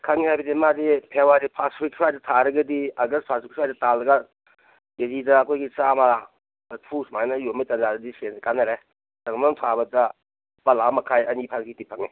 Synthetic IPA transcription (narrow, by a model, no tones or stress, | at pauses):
kʰɐŋihajbɐdimadipʰewaɾipʰasik̚sʰajdɐtʰaɾɐɡɐdiɐɡɐspʰasikʰajdɐtaldɐɡa | kezidɐːkʰojɡisama | tʰusmajnɐjomitɐnzadɐdisenkanɐɾe | tɐŋmamtʰabɐtɐ | pɐlamɐkʰajɐnipʰasɡitipʰɐŋni